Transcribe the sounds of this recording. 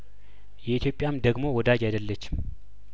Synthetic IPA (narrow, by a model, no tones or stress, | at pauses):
jɛit̪ʰjo̞pʼjamd̪əɡmo̞wɔd̪ad͡ʒajd̪əlːət͡ʃːɪ̥m